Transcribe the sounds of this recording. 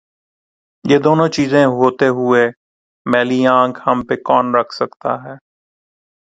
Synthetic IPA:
jeːd̪oːnõːt͡ʃiːzẽɦoːt̪eɦʊe | mɛːliãːŋkhəmpekɔːnɾəkʰsəkt̪a̰ɦɛː

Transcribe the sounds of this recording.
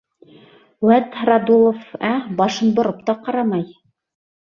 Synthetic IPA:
wæt̪rad̪ulˠofæbɑʃɤnbŏɾɤp̚t̪ɑqɑɾɑmɑj

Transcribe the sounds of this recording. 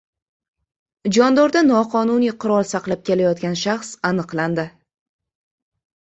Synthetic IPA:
d͡ʒɒnd̪ɒɾd̪anɒqʰɒnunijqʰʊɾɒlˠsɑqlˠap̚kʲe̞lajɒt̪̚ɡʲanʃaχsanɨqlˠand̪ɪ

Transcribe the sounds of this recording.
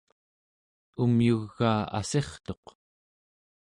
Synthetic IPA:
umjuɣːaːa̰se̞χt̪o̞q

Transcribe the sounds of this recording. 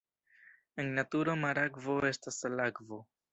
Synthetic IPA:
e̞ŋnatuɾomaɾakvo̞e̞staslakvo̞

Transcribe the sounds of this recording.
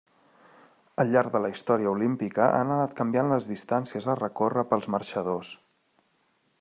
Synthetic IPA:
əlʎːaɾɡðələist̪ɔɾiəulimpikəʔa̰nənat̪kəmbianləzðist̪ansiəzərəkorəpəlˠzmərʃəðos

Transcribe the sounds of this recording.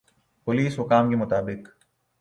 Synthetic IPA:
pʊliːsɦʊkaːmkimʊt̪aːbɪk

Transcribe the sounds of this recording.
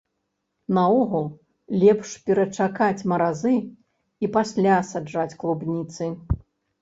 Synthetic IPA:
nɐɔɣulˠ | lʲɛpʂpʲɛɾɐt͡ʂakat͡sʲmɐɾazɨ | ipasʲlʲasad͡ʐat͡sʲklˠubnʲit̪sɨ

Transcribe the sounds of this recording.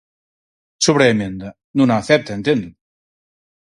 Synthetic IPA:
soβɾeemend̪ɐ | nunaːθɛp̚t̪aent̪end̪ɾu

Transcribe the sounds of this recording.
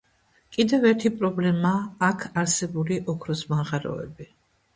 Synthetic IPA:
kʼid̪ɛvɛɾt̪ʰipʼɾɔblɛmaːkʰaɾsɛbuliʔɔkʰɾɔsmanʁaɾɔ̰ɛ̰bi

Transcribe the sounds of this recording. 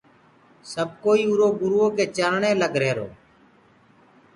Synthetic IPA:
səb̚koːiːʊɾoːɡʊɾoːkeːt͡ʃəɾɳeːləɡɾeːɾo̰ː

